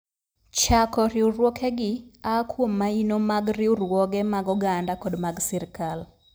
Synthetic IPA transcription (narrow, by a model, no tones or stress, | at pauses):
t͡ʃakɔɾɪuɾwɔkʰɛɡɪakwomːainomaɡrɪurwɔɡɛmaɡɔɡandakɔdmaɡsiɾkal